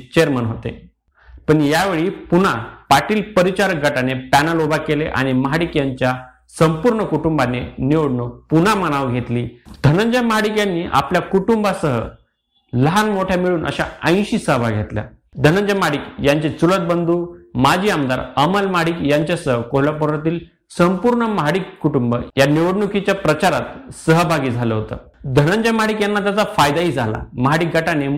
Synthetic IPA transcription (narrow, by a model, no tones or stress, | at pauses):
t͡ɕeɾmənɦot̪ḛ | pəɳjaʋeɭiːpun̤apaʈiːlpəɾit͡ɕaɾək̚ɡəʈanepænəlobakelḛʔa̰ɽ̃iməɦaɽikjaɲt͡ɕja | səmpuɾɳəkuʈumbaneniʋoɽnopunaməñaʋɡʱet̪liːd̪ʱənəɲd͡ʑaməɦaɽikjanːiːʔa̰pljakuʈumbasəɦə̰ | ləɦanmoʈʰjamiɭuːnʔə̰ɕa̰ə̃j̃ɕiːsəɦəbʱaɡʱet̪lja̰ | d̪ʱənəɲd͡ʑamaɽiːkjaɲt͡ɕet͡sulət̪̚bənd̪uːmad͡ʑʱiːamd̪a̰ɾəməlməɦaɽiːkjaɲt͡ɕjasəɦəkoɦlapəɾat̪iːl | səmpuɾɳəməɦaɽikːuʈumbə̰janiʋəɽɳukʰit͡ɕjapɾət͡ɕaɾat̪səɦəbʱaɡiːd͡zʱaləɦot̪ə̰ | d̪ʱənəɲd͡ʑaməaɽiːkjanːat̪jat͡safajd̪aɦiːd͡zʱala̰məɦaɽiːk̚ɡʱəʈane